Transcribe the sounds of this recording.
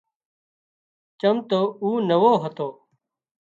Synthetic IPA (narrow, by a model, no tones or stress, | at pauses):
t͡ʃəmt̪oːuːnəʋoːɦət̪oː